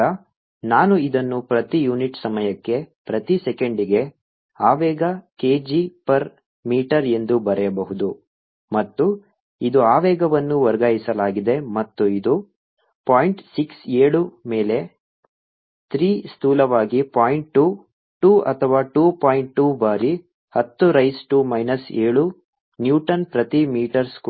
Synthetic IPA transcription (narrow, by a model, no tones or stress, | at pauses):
ɐ | naːnuid̪ɐnːupɾɐt̪ijuːniʈsɐmɐjɐkːe̞pɾɐt̪isɛkeɳɖiɡe̞ | aːʋɛːɡɐkeːd͡ʒipɐɾ | miːʈɐɾe̞nd̪ubɐɾɛjɐbɐɦud̪u | mɐt̪ːu | id̪uaːʋɛːɡɐʋɐnːuʋɐɾɡaːjisɐlaːɡid̪e̞mɐt̪ːuid̪u | paːjiɳʈsikseːɭumeːle̞ | t̪ʰɾiːst̪uːlɐʋaːɡipaːjiɳʈ̚ʈu | ʈuːʔɐ̰t̪ʰɐʋaːʈuːpaːjiɳʈ̚ʈuːbaːɾi | hɐt̪ːuɾɐjsʈuːmɐjnɐseːɭu | njuːʈɐnpɾɐt̪imiːʈɐɾsk